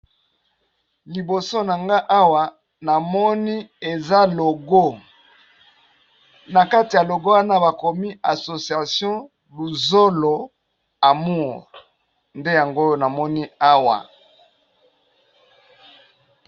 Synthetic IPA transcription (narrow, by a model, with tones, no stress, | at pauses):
li˨bo˨so˦na˨ŋɡa˦ʔa˦wa˨ | na˨mɔ˦ni˦e˨za˦lo˨ɡo˦ | na˨ka˦ti˨ja˨lo˨ɡo˦wa˦na˦ba˨ko˨mi˦a˨so˨sja˨sjɔ̃˦ | bu˨zo˦lo˨ | a˨mu˦˨ʁ | nde˦ja˨ŋɡo˦jna˨mɔ˦ni˦a˦wa̰˨